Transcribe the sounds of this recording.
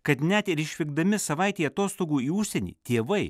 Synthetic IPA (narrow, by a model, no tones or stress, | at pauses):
kɐt̪nʲɛt̪ɪɾɪʃʲʋʲɪɡ̚d̪ɐmʲɪsɐʋɐɪt̪ʲeːɐt̪oːst̪oːɡuːiːʊʃʲsʲɛnʲḭːt̪ʲeːʋɐɪ